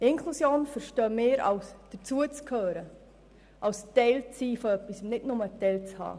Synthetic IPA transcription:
ɪnkʰlusjoːnfəɾʃtœːmɪːɾɑ̰wsd̥ət͡suət͡skʰøːɾə | ʔɑwstɛɪlt͡siːfɔœpːisʊmnɪdnʊmətɛɪlt͡shɑ̰ː

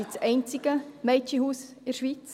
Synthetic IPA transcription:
it͡sɛɪnt͡sɪɡ̥əmɛɪt͡ʃihuːs | ɪɾʃʋit͡s

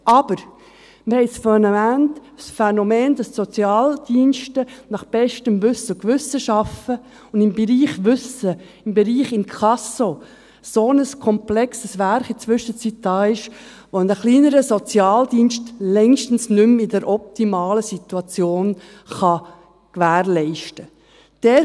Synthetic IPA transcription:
ʔɑb̥əɾ | məhɛɪsfɛnmæntsfɛnomeːndɑssot͡sjɑːld̪̥iːnʃtənɑχb̥ɛʃtəmʋʏsəkʋʏsəʃɑfə | ʊnd̥ɪmbɛɾiːχʋʏsə | ɪmbɛɾiːχɪnkʰɑso | sonəskʰɔmplɛksəsʋæɾχit͡sʋʏʃət͡sit̚d̥ɑːɪʃ | ʋonəχliːnəɾəsot͡sjɑːld̥iːnʃtlɛŋʃtən̩snʏmɪdəɾʔɔp̚t̪imɑːləsit̪uɑt͡sjoːn | χɑ | kʋæːɾlɛɪʃtə | d̥ɛ

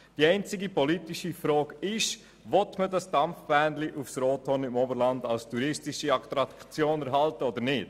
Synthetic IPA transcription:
d̥iɛɪnt͡sɪɡipɔlitiʃifɾɔːkɪʃ | ʋɔtmədɑsd̥ɑmfb̥ɛːndliʔufsɾɔːtʰɔnɪmɔbəɾlɑndɑlstuɾɪstɪʃiɑktɾɑkt͡sjoːnɛɾɦɑltəɔdəɾnɪt

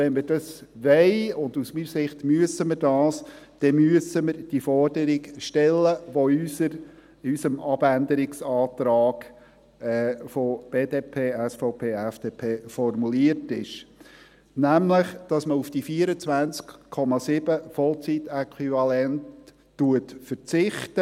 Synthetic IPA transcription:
ʋɛnmɪɾd̥ɑsʋɛɪʊndusmiːsɪχt̪myəsəməɾd̥ɑːsd̥ɛmyəsəməɾd̥ifɔrd̥əɾiɡʃtɛlːəʋoysəɾ | ysəmɑb̥ændəɾɪksɑːt̪ɾɑːɡ̥ | ɛfob̥eːdeːpʰeːæsfɔʊpʰeːæfd̥eːpʰeːfɔrmuliərtɪʃ | næmləχd̥ɑsməufd̥ifiəɾət͡sʋænt͡skkʰːɔmɑsɪb̥əfɔlt͡sitɛkʰwivɑlɛntː | uətfəɾt͡sɪχtə

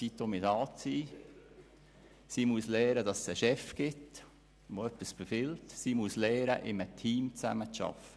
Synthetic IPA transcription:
sit̪omɪtɑːt͡siː | siːmuslɛːɾədɑsːəʃɛfɡ̥ɪt | moœpːəsb̥efɪltsimuslɛːɾə̰ʔɪmətʰiːmt͡sæ̰mət͡sʃɑ̰fə

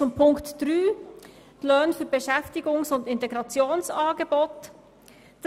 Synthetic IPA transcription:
t͡sʊmpʰʊŋktd̥ɾyː | lœːnfyːɾbeʃɛftɪɡʊŋsʊndɪnteɡɾɑt͡sjoːnsɑːɡebɔt | d̥ɑ

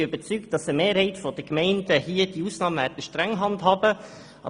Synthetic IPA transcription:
ʏbət͡sykt̚d̥ɑsəmeːɾhɛɪtfɔd̥əkmɛɪndəhiəd̥iuːsnɑːmvɛdəʃtɾɛŋɦɑntɦɑːbə | ɑ̰

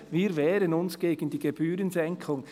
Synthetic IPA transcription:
viːɾvɛːɾənʊnsɡ̥eːɡən̩diːɡ̥eb̥yːɾənzɛŋkʰʊŋ

